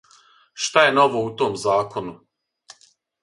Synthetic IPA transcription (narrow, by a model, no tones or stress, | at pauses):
ʃt̪ajeno̞ʋout̪oːmzaːko̞nu